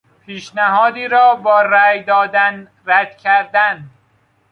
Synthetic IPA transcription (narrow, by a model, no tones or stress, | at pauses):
pʰiːʃnæɦɒːd̪iːɾɒːbɒːɾæjd̪ɒːd̪æn | ræd̪̥cʲʰæɾd̪æn